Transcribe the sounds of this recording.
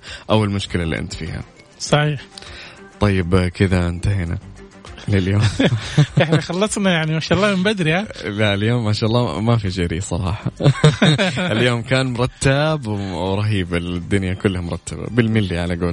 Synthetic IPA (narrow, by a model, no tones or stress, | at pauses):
ʔawːalmʊʃkɪlalːḭʔɪ̰nt̪fḭːha̰ | sˤɑħiːħt̪ˤɑjːɪbkɪd̪aɪnt̪ahiːna̰lɪljoːmaħixɑlːɑsˤnajaʕnimaːʃaːʔlˤːɑːmɪmbad̪ɾihalaɪljoːmːaʃaːʔlˤːɑmafid͡ʒɪːɾisˤɑ̰ɾˤɑːħɑ | ʔɪljoːmkaːnmʊɾˤɑt̪ːabwɾˤɑɦiːbɪld̪ːʊnjakʊlːhamʊɾˤɑt̪ːaba̰bɪlmɪlːiʕalaɡoːl